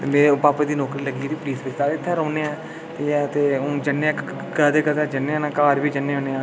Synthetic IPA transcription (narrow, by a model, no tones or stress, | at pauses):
t̪emeːpaːpeːd̪iːnɔːkɾiːləɡiːɾiːpliːsbɪst̪aːɪt̪ʰːɛ̃ːɾoːneːɛ̃ː | t̪ejɛt̪eːõːd͡ʒəneãː | ɡəd̪eːkəd̪eːd͡ʒənːeːãːnãːkaːɾbiːd͡ʒənːeːõːneːãː